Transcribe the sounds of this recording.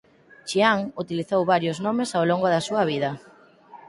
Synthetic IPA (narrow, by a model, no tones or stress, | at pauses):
t͡ʃiaŋut̪iliθowβaɾjʊznɔmesawloŋɡoðɐsuɐβiðɐ